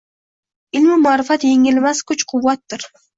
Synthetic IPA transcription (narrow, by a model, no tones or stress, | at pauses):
ɪlmɪmʊaɾɪfat̪jeŋɪlmaskʰʊt͡ʃqʰʊwːat̪ːɪɾ